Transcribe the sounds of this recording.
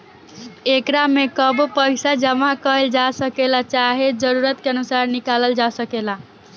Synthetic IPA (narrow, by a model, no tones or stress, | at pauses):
ekɾamekəbpəɪsad͡ʒəmakəɦəld͡ʒasəkelat͡ʃaɦed͡ʒəɾuɾət̪keənusaɾnikaləld͡ʒasəkela